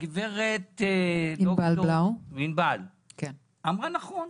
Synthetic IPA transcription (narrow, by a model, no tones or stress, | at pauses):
ɡiveʁet̪imoballawminbal | ken | amʁanaχon